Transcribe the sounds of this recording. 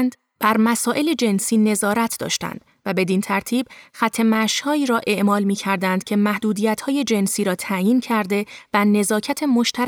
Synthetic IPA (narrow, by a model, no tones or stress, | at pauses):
nd̪ | b̥æɾmæsɒːʔe̞le̞d͡ʒe̞nsiːne̞zɒːɾæt̪ʰd̪ɒ̰ːʃt̪æ̰nd̪̥ | væbe̞d̪int̪ʰæɾt̪ʰiːb̥xæt̪ʰːe̞mæʃhɒːiːɾɒːʔe̞ʔmɒːlmiːcʰæɾd̪ænd̪̥̚cʰe̞mæhd̪uːd̪iːjæt̪hɒːje̞d͡ʒe̞nsiːɾɒːt̪ʰæjiːncʰæɾd̪e̞væne̞zɒːcʰæt̪ʰe̞mo̞ʃt̪ʰæɾ